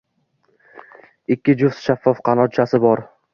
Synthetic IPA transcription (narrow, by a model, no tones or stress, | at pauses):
ɪkʲːɪd͡ʒʊft̪ʃafːɒfqʰɑnɒt͡ʃʰasɪbɒɾ